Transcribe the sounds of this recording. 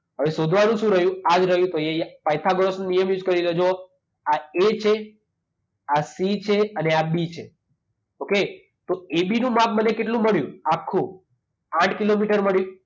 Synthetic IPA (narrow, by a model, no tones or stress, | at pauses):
ɦəʋeʃod̪ʱʋanũʃũɾəɦjũad͡ʒɾəɦjũt̪oepajt̪ʰaɡɾosnnijəmjud͡ʒkəɾiɾəd͡ʒo | aet͡ʃʰe | asit͡ʃʰeəneabit͡ʃʰe | oke | t̪oebinũmãk̚mənekeʈlũməɭjũakʰːũ | ãʈʰkilomiʈəɾməɭjũ